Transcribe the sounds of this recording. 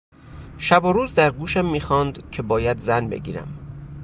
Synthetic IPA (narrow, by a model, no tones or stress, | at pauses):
ʃæboɾuːzd̪æɾɡuːʃæmːiːxɒːnd̪cʰe̞bɒːjæd̪zænbḛɟiːɾæ̰m